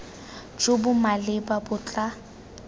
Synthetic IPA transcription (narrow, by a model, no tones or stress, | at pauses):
d͡ʒobʊmalɪbabʊt͡ɬʼa